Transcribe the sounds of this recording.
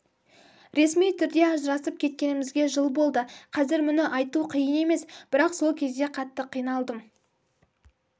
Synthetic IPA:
ɾe̞smijt̪ʰʏɾd̪e̞ɑʒəɾɑsəp̚kʲʰe̞t̪̚kʲe̞nɪmɪzɡʲe̞ʒəlˠbo̞lˠd̪əqʰɑzɪɾmʏnɪʔɑjt̪uqʰijəne̞me̞sb̥ɪɾɑqso̞lˠkʲʰe̞zd̪e̞qʰɑt̪ːəqʰːijnɑlˠd̪əm

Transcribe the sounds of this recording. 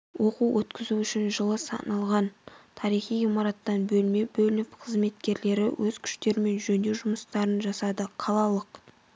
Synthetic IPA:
wo̞quwwɵt̪kʲɪzuʏʃɪnʒəlˠəsɑ̰nɑlˠʁɑnt̪ʰɑɾijχijimɑɾɑt̪ːɑnbɵlme̞bɵlɪnɪpqʰəzme̞t̪kʲe̞ɾle̞ɾɪwɵz̥kʲʰʏ̥ʃt̪e̞ɾɪme̞nʒɵnd̪ewʒʊməst̪ɑɾənʒɑsɑd̪əqʰɑlˠɑlˠəq

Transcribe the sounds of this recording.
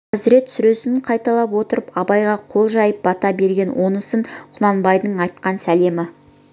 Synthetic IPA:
æzɪɾe̞t̪sʏɾe̞sɪnɴqʰɑjt̪ɑlˠɑpwo̞t̪əɾəpɑbɑjʁɑqʰo̞lˠʒɑjəp̚bɑt̪ɑbe̞ɾɡʲe̞nwo̞nəsəɴqʰʊnˠɑnbɑjd̪əɴɑjt̪̚qɑnsæle̞mɪ

